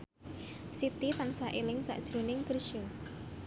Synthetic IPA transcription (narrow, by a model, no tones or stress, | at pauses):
sit̪it̪ansaʔilɪŋsa̰ʔd̥ʒ̥ɾonɪŋkərʃo